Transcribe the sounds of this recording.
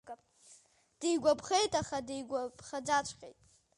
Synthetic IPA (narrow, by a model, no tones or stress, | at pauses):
d̥ejɡʷapʰχejtʼaχadejɡʷabχad͡zat͡ʃʷʰqʲʼḛjtʼ